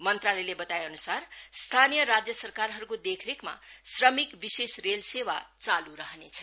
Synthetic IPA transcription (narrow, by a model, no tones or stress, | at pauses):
mʌnt̪ralelebʌt̪ajʌnusarst̪ʰanijʌɾad͡zjʌsʌrkaɾɦʌɾukod̪ekʰɾekma̰srʌmikbisesrelsewa̰t͡saluɾʌɦnet͡sʰʌ̥